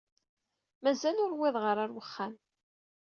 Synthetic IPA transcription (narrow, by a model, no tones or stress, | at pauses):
mæzælʊɾwɪðˤʁəɾˤaɾwəχːæm